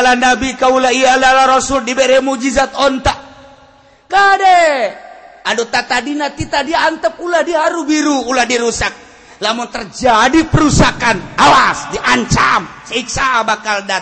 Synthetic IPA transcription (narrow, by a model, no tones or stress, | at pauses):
lanabikaulaiaalalaɾɔsuldibɛɾɛmud͡ʒizat̪ɔnt̪aʔ | kadɛ | adɔt̪at̪adinat̪it̪adiaːnt̪əp̚uladiɦaɾubiɾuːladiɾusak̚ | lamuŋt̪ərd͡ʒadipɛɾusakanawasdiʔaɲt͡ʃamsaik̚sabakalda